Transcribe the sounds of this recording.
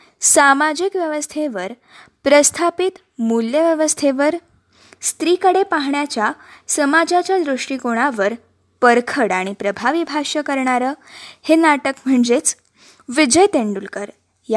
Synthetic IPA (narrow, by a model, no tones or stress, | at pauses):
samad͡ʑikʋjəʋəst̪ʰeʋəɾ | pɾəst̪ʰapit̪ | muljəʋjəʋəst̪ʰeʋəɾ | st̪ɾikəɽepaɦɳjat͡ɕjasəmad͡ʑat͡ɕjad̪ɾuʂʈikoɽ̃aʋəɾ | pəɾkʰəɽaɽ̃ipɾəbʱaʋibʱaʂəkəɾɳaɾəːhenaʈəkm̤əɳd͡zet͡s | ʋid͡ʑəjt̪eɳɖulkəɾ | ja